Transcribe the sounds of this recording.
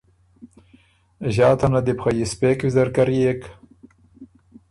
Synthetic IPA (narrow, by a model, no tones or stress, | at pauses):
ʑaːt̪ʰɐnɐd̪ipxajispeːkwizɐɾkɐɾijek